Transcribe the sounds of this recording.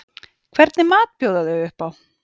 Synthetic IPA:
kʰvɛɾt̪nɪmaːt̪̚pjoːwðaðʏʏhpaw

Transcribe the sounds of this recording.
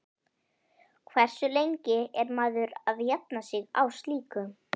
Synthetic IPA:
kʰvɛr̥sʏlejɲcɪɛɾmaːðʏɾaðjɛt̪̚nasɪɣa̰wst̪liːkʏ

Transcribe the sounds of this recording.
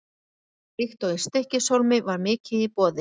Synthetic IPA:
lɪxt̪ɔɣɪst̪ehcɪsowlmɪvaɾmɪːcɪðipɔːðɪ

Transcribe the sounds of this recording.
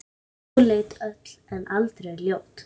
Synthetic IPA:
leːjt̪œt̪l̥ɛnʔalt̪ɾejljoːwt̪

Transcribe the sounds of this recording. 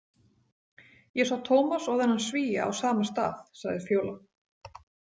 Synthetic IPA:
jɛsawt̪ʰoːwmasɔɣðɛnːansviːja̰a̰wsaːmast̪a̰ːθsaɣðɪfjoːwla

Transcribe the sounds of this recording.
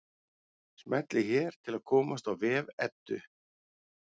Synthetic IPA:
smɛt̪lɪçɛːɾ̥t̪ʰɪlaðkʰɔːmast̪awvɛːvɛt̪ːʏ̰

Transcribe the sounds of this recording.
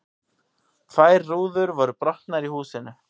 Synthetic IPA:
vaːjrːuːðʏɾvɔɾʏpɾɔht̪naɾihuːsɪnʏ

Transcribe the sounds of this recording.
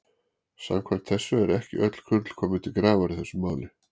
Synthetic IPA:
sa̰mkʰvamt̪θɛsːʏɛɾɛhcɪ̰ʔœt̪l̥kʰʏt̪l̥kʰɔːmɪt̪ʰɪlkɾaːvaɾɪθɛsːʏmaːwlɪ

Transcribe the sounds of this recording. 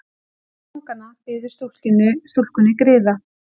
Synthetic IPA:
aŋkanːafɪːðʏɾ̥st̪ul̥cɪnːʏst̪ul̥kʏnːɪkɾɪːða

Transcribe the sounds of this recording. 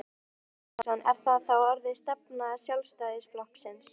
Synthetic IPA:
sanɛɾ̥θaθawaɾðɪst̪ɛpnasjawlst̪ajðɪsflɔhpsɪns

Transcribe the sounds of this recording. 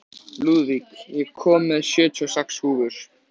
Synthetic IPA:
luðvikjɛɣkʰɔːmːɛðsjœːt̪ʰiɔsɛkshuːvʏɾ̥

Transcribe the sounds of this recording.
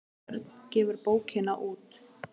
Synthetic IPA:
ɾt̪n̥cɛːvʏɾpoːwcʰɪnaʔuːt̪

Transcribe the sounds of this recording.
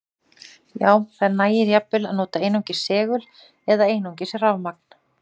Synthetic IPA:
jaːwθanaːjɪɾjapːɪlaðnoːt̪aejnowɲcɪ̥sɛːɣʏl | ɛðaeːjnowɲcɪsravmak̚n̥

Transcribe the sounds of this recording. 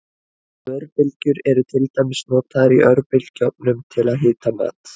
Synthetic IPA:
œɾpɪlcʏɾɛɾʏt̪ʰɪlt̪ajmɪsnɔːt̪ʰaɾiʔœɾpɪlcɔp̚nʏmt̪ʰɪlaðɦɪːt̪ama̰ːt̪

